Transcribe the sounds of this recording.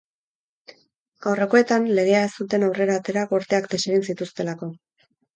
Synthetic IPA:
ɡ̥awre̞ko̞e̞t̪anle̞ɣ̞e̞ae̞st̪ut̪e̞nawre̞ɾaːt̪e̞ɾakoɾt̪e̞akd̪eseɣinsit̪ust̪e̞lako̞

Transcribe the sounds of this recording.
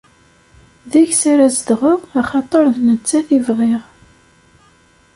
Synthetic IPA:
ðiçsaɾæzəd̪ʁʊʁɑχɑt̪ˤəɾˤðnət͡sːæθivʁɪʁ

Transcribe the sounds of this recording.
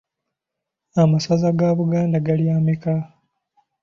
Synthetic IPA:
amasazaɡaβuɡaːndaɡaljaːmika

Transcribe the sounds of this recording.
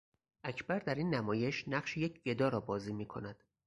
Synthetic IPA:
ʔæcʰbæɾd̪æɾinːæmɒːje̞ʃnæɢʃijecʰɡe̞d̪ɒːɾɒːbɒːziːmiːkʰo̞næd̪̥

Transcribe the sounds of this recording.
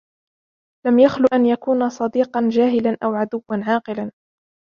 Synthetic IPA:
lamjaxlʊʔanjakuːnasˤɑd̪iːqɑnd͡ʒaːɦɪlanʔawʕad̪ʊwːanʕɑːqɨlan

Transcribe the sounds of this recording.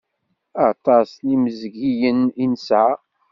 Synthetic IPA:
ɑt̪ˤɑsniməzɡijəninsʕa

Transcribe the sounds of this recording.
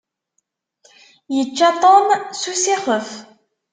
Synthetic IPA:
jət͡ʃːat̪ˤɔmsusiχəf

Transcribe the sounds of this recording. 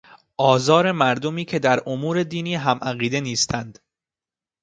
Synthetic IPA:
ʔɒːzɒːɾe̞mæɾd̪o̞miːcʰe̞d̪æɾomuːɾe̞d̪iːniːɦæmʔæɣiːd̪e̞niːst̪ʰænd̪̥

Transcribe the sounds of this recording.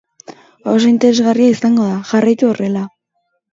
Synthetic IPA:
os̬o̞int̪e̞ɾe̞zɣariaisaŋɡo̞ðaʝarajt̪uo̞re̞la

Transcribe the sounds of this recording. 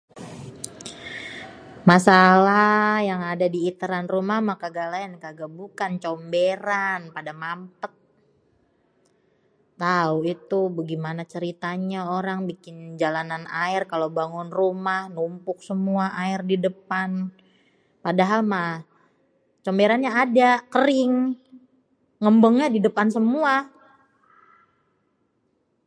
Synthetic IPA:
masalajaŋadadiːt̪əɾanrumahmahkaɡalaənkaɡabukant͡ʃɔmbeɾanpadamampət̪̚ | t̪auit̪ubəɡimanat͡ʃəɾit̪aɲaoɾaŋbikɪnd͡ʒalananaɪrkalabaŋʊnrumahnumpʊk̚səmuaʔaɪrdidəpan | padaɦalmah | t͡ʃombeɾanɲaːdakəɾɪŋ | ŋəmbəŋɲadidəpansəmua

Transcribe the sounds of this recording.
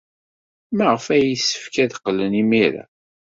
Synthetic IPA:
məʁəfæjisːə̥fkæðqːələnimiɾa̰

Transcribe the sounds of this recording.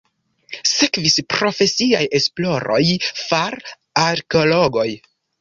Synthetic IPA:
se̞kvispɾo̞fe̞siaje̞splo̞ɾo̞̰jfaɾ | aɾkeolo̞ɡo̞j

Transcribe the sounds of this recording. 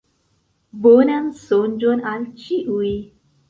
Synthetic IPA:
bonan̩son̩d͡ʒonan̩t͡ʃiʔui

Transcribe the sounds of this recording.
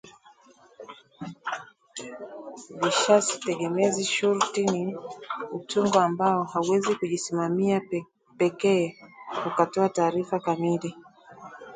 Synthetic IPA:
viʃasi̥tɛɠɛmɛziʃuɾtini | utuŋɡɔambaɔhauwɛzikuʄisimamia | pɛkɛːukatɔataːɾifakamili

